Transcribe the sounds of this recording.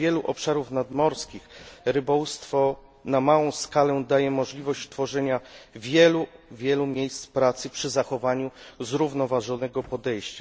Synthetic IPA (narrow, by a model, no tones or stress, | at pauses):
jɛluʔɔpʂaɾufnad̪mɔɾskʲixɾɘbɔwust̪fɔ | namawɔ̃w̃skalɛd̪ajɛmɔʐlʲivɔɕt͡ɕt̪fɔʐɛɲavʲjɛluvʲjɛlumʲjejst̪spɾat̪sɘpʂɘzaxɔvaɲuzɾuvnɔvaʐɔnɛɡɔpɔd̪ɛjɕt͡ɕa